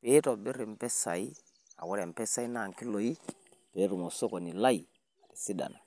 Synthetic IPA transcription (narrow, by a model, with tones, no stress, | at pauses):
pe˦tɔ˨bɪ˦ɾi˨m̩˨pɛ˦sa˨i˦ | a̰˨wɔ˦ɾɛ˨m˨pɛ˦sa˦i˦na˨ŋ˨ki˦lo˨i˦ | pe˨˦ɾu˨mo˨so˦kɔ˨ni˨la˦i˨ | a˨ki˨si˦da̰˨na˨